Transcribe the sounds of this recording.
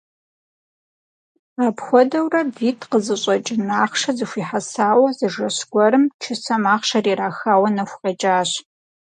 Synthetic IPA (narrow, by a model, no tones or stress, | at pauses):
aːpxʷɔdɐwrɐviːtʰqəzɨɕʼɔt͡ʃʼɪnaːχʂɐzɨʃʷiːħasaːwɐzɨʐɐɕɡʷɔɾɨmt͡ʃʰɪsɐmaːχʃɐriːraːxaːwɐnɐxʷqʼet͡ʃʼaːɕ